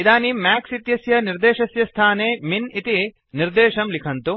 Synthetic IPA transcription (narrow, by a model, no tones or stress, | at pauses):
id̪aːnimaːksit̪jɐsjɐniɾd̪eːʃɐsjɐst̪ʰaːneːminit̪i | niɾd̪eːʃɐmlikʰɐnt̪u